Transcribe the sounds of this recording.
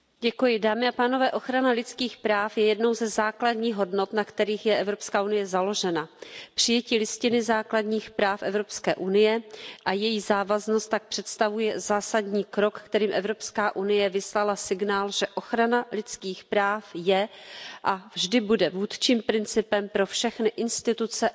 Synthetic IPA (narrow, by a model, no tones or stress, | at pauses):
ɟɛkujɪdaːmɪapaːno̞vɛːʔo̞xɾanalɪt͡skiːxpɾaːfjɛjɛdno̞wzɛzaːkladɲiːɣɦo̞dno̞t̪nakt̪ɛɾiːxjɛʔɛvɾo̞pskaːʔunɪjɛzalo̞ʒɛnapr̝̥ɪjɛciːlɪscɪnɪzaːkladɲiːxpɾaːfʔɛvɾo̞pskɛːʔunɪjɛʔajɛjiːzaːvaznost̪ːak̚pr̥ɛt̪st̪avujɛzaːsadɲiːkɾo̞kːt̪ɛɾiːmʔɛvɾo̞pskaːʔunɪjɛvɪslalasɪɡnaːlʒ̥ɛʔo̞xɾanalɪt͡skiːxpɾaːfjɛʔavʒdɪbudɛvuːt̪t͡ʃiːmpɾɪnt͡sɪpɛmpɾo̞fʃɛxnɪʔɪnst̪ɪt̪ut͡sɛ